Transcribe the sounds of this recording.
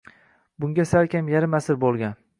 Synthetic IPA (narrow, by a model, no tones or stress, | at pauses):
bʊŋɡʲasaɾkʲʰamjaɾɪmasɪɾbolˠɡʲan